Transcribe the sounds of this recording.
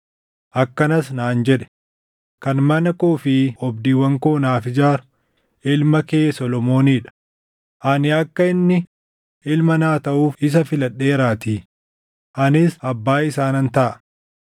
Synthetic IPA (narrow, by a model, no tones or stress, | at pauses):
ʔɐkːɐnɐs̬naːnd͡ʒɛᶑɛ̥ | kɐnmɐnɐkoːfɪɔbd̪iːwɐŋkoːnaːfɪd͡ʒaːɾʊ | ɪlmɐkeːsɔlɔmo̞ːniːᶑɐ̥ | ʔɐnɪɐkːɐɪnːɪ | ʔɪlmɐnaːt̪ɐʔuːfɪs̬ɐfɪlɐɗːe̞ːɾaːt̪iː | ʔɐnɪsɐbːaːɪsaːnɐnt̪ɐʔɐ